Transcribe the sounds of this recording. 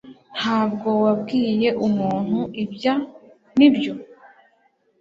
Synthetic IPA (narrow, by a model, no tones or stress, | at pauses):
n̥haːbɡo̞wabɡiːje̞ʔumuːn̥huʔibja | nibjo̞